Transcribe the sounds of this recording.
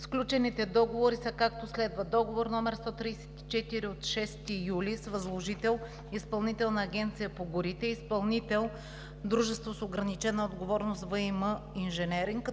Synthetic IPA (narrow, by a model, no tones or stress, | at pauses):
sklʲut͡ʃɛnit̪ɛd̪ɔɡovoɾisɐkak̚t̪oslɛd̪vəd̪ɔɡovoɾnɔmɛɾst̪ɔt̪ɾijsɛ̥t̪i̥t͡ʃɛt̪iɾiot̪ʃɛst̪ijulisvɐzlˠoʒit̪ɛlˠ | ispɐlˠnit̪ɛlˠnɐːɡʲɛnt̪sijəpoɡʊɾit̪ɛispɐlˠnit̪ɛlˠ | d̪ɾuʒɛst̪vosoɡɾɐnit͡ʃɛnəod̪ɡovɔɾnost̪vəiməinʒɛnɛɾiŋk